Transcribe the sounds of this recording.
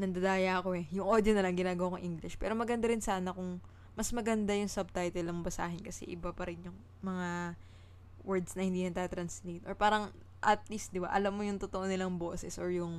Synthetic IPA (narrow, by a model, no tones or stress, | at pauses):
nɐnd̪ɐd̪aːjaɐko̞ɛjʊŋʔod̪jonɐlɐŋɡɪnaːɡɐwaːkɐŋʔiŋɡlɪʃpɛ̰ːɾomɐɡɐnd̪aɾɪnsaːnɐkʊŋ | mɐsmɐɡɐnd̪ajʊŋsɐb̚t̪ajt̪ɛlnɐŋbɐsa̰ːɦɪnkɐsɛ̰ʔɪbapɐɾɪnjʊŋ | mɐŋa | wɛɹd̪snɐhɪnd̪iːnɐɡ̚t̪aːt̪ɾɐnslejt̪ʔoɹpaːɾɐŋ | ʔɐt̪̚list̪̚d̪ɪba̰ʔɐlamːo̞jʊŋt̪ot̪oʔonɪlaŋbo̞ːsɛsʔoɹjʊŋ